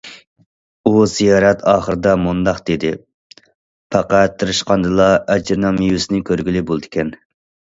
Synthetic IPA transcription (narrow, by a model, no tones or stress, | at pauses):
uzijɑːɾɛt̪ʰɑːχəɾɨd̪ɑmund̪ɑqd̪̥ed̪ɪ | pʰɑqæt̪ʰːɨɾɨʃqɑnd̪ɨlˠɑʔɛd͡ʒɾnɑmijusɪnɪkʲʰøɾɡʲilɪbolˠd̪ɪkʲɛn